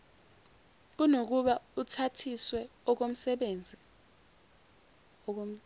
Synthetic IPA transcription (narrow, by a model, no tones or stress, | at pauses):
k̬unok̬uɓautʰatʰiswɛɔk̬om̩sɛɓend͡zʱi | ɔk̬o